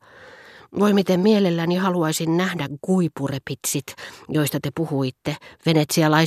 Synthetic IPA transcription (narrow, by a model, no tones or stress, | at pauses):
ʋoimit̪emmielelːænihɑluɑisinnæhdækɡ̥uipurepit̪sit̪joist̪ɑt̪epuhuit̪ːeʋenet̪siɑlɑi